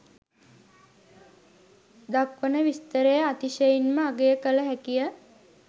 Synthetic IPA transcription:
d̪akʋənəʋist̪əɾejəat̪iʃəjinməaɡejəkələɦækijə

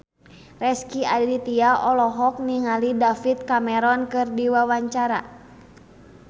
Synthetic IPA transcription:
rɛskiadlit̪iaʔɔlɔɦɔk̚niŋalidafit̪̚kamɛɾɔnkɨrdiwawaɲt͡ʃaɾa̰

